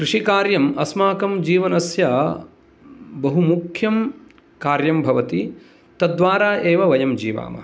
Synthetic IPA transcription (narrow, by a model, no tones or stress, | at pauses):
kɾiʂikaːɾjɐmɐsmaːkɐmd͡ʒiːʋɐnɐsjɐ | bɐɦumukʰjɐm | kaːɾjɐmbʱɐʋɐt̪i | t̪ɐd̪ʋaːɾaːʔeːʋɐʋɐjɐmd͡ʒiːʋa̰ːmɐ̰